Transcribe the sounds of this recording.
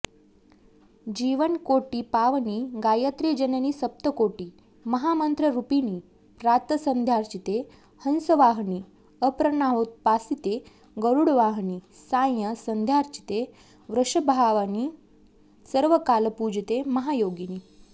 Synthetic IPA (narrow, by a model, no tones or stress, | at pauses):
d͡ʑiʋənkoʈiːpaʋniːɡajət̪ɾed͡ʑənaniːsəp̚t̪əkoʈiː | məɦamənt̪ɾəɾupiniː | pɾat̪əsənd̪ʱjaɾt͡ɕit̪e | hənsəʋaɦɳiː | əpɾənaɦot̪̚pasit̪e | ɡəɾuɽʋaɦɳiː | sajjəsənd̪ʱjaɾt͡ɕi̥t̪e | ʋɾəʂəbʱaʋani | səɾʋəkalpud͡ʑt̪eməɦajoɡiniː